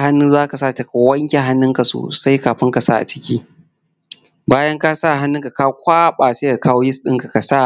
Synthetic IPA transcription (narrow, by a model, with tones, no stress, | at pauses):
ha˦nːʊ˦zaː˦ka˨sa˦˨ta˨ka˨wɐ˦ŋkʲe˨ɦa˦nːʊ˦ŋka˨so̰ː˨sa˦jkaː˨ɸɪ˦ŋka˨sa̰˦˨ʔa̰˨t͡ʃɪ̥˦kʲiː˦ | baː˦jɐ˦ŋka˦sa˦˨ɦa˦nːʊ˦ŋka˨ka˦wkʷaː˦ɓaː˨seː˦ja˨kaː˦woː˦jɪ˦sɗɪ˦ŋka˨ka˨sa˦˨